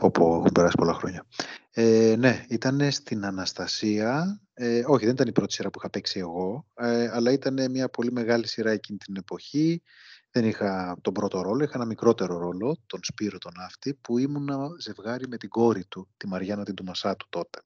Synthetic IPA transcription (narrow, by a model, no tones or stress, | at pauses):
opuḛxumpe̞ɾɐsi̥po̞lɐxɾo̞ɲɐene̞it̪ɐne̞st̪inɐnɐst̪ɐsiɐ | eo̞çiðe̞nit̪ɐnipɾo̞t̪isiɾɐpuixɐpe̞ksie̞ɣo̞ɐlɐit̪ɐne̞mɲɐpo̞lime̞ɣɐlisiɾɐe̞cinit̪ine̞po̞çi | ðe̞nixɐt̪o̞bɾo̞t̪o̞ɾo̞lo̞ixɐenɐmikɾo̞t̪e̞ɾo̞ɾo̞lo̞t̪o̞nspiɾo̞t̪o̞nɐft̪ipuimunɐze̞vɣɐɾime̞t̪iɡo̞ɾit̪ut̪imɐɾʝɐnɐt̪ind̪umɐsɐt̪u̥t̪o̞t̪e̞̥